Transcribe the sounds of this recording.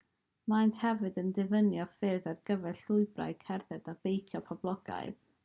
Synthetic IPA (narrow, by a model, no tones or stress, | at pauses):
manthɛvɨdəndɪvənjɔfɪrðarɡəvɛɬʊɨbra̰ɨkʰɛrðɛdab̥ejkʰjɔpʰɔblˠɔɡ̥a̰ɨð̥